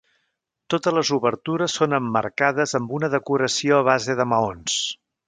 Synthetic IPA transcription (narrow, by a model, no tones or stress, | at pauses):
t̪ot̪əzləzuβəɾt̪uɾəsːonəmːə̰ɾkaðəzəmbunəðəkuɾəsioəβ̞azeðəməons